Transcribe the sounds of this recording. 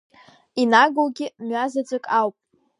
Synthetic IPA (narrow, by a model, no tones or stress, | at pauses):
inaɡolɡʲɪmɥazad͡zʷʼɨkʼawpʼ